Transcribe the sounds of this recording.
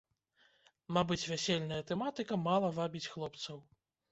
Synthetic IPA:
mabɨt͡sʲvʲasʲelʲnɐjɐt̪ɛmat̪ɨkɐmalˠɐvabʲit͡sʲxlˠɔpt̪sɐw

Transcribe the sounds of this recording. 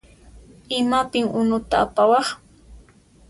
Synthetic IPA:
ɪmapɪŋʊnʊt̪aːpawɑχ

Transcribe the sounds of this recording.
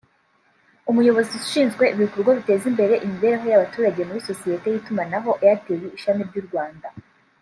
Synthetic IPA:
umujo̞βo̞zizu̥ʃiːnzɡwe̞ʔiβiukoɾɡoβite̞ːzimbe̞ɾe̞ʔimiβe̞ːɾeɦo̞jaβatuːɾaɟe̞muβiso̞sije̞te̞jitumanaɦo̞ʔjatewiːʃamiɾɟuːɾɡwaːnda

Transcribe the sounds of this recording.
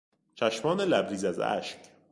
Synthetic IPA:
t͡ʃʰæʃmɒːnelæbɾiːzæzæ̰ʃk

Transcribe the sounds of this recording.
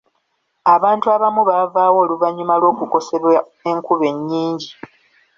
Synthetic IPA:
aβaːntuaβamuβavaːwo̞ːluvaɲːumalwo̞ːkuko̞se̞βwa | e̞ŋkuβe̞ɲːiːɲɟi

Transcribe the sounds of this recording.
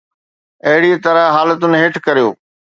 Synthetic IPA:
ɐɦɪɽiet̪ɐɾəɦɦaːlət̪ʊnɦeːʈʰkɐɾijo̰ː

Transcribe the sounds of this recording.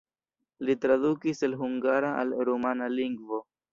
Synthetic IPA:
litɾadukiselɦuŋɡaɾaa̰lɾomanaliŋɡvo

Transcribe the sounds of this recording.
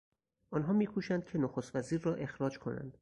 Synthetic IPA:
ʔɒnɦɒːmiːkʰuʃænd̪̚cʲʰe̞noxost̪væziːɾːɒːʔe̞xɾɒːd͡ʒkʰo̞̰næ̰nd̪̥

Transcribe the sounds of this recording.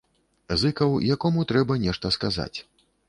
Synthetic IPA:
zɨkɐwjakɔmut̪ɾɛbɐnʲɛʂt̪ɐskaza̰t͡sʲ

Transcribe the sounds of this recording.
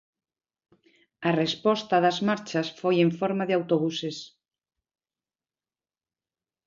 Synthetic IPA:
ɐrespɔst̪ɐðazmaɾt͡ʃasfojeɱfoɾmaðɪawt̪oβ̞uses

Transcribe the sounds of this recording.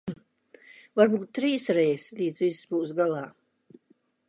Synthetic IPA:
vaɾbuːt̪̚ːɾiːsɾɛjslʲiːd̪zvissbuːsɡalˠaː

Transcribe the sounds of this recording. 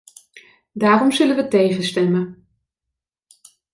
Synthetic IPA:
daːrɔmzɵlənʋətejχəstɛmə

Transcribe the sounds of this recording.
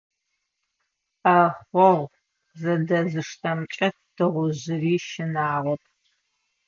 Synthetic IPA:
ɐχʷɔʁʷ | zɐdɐzɨʂtʰɐmt͡ʃʼɐt̚ʰd̥ɨʁʷʊʑɪriːʃɪnaːʁɐpʰ

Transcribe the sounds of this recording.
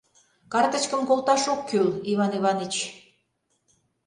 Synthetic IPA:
kɑrt̪ə̆t͡ɕkəmkolt̪ɑʃokʰːyliβɑniβɑnit͡ɕ

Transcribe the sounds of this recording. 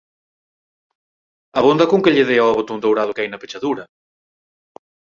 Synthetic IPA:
ɐβond̪ɐkoŋkeʎeðeaβot̪ond̪owɾaðʊkeajnɐpe̥t͡ʃaðuɾɐ

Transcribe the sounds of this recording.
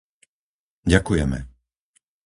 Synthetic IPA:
ɟakujɛmɛ̰

